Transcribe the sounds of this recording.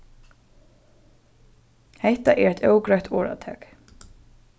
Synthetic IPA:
hɛht̪aʔɛɾɛjt̪ʰœwkɾajht̪ʰɔːɹa̰t̪ʰɛ̰ːk

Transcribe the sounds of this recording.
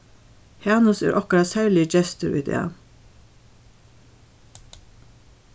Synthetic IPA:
hɑːnʊsḛːɾʔɔkɾɑsæːɹlɪəd͡ʒɛst̪əɾḭd̪ḛːɑ̰

